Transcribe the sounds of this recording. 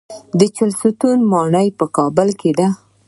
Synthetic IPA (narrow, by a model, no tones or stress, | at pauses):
d̪ət͡ʃalsut̪unmɑɳəjpəkɑbəlked̪a